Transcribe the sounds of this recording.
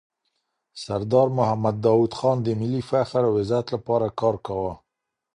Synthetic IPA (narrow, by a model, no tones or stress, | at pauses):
saɾd̪ɑɾmʊhamad̪̚ːɑwud̪xɑnd̪əmɪlifaxəɾawɪzat̪lapɑɾakɑɾkawa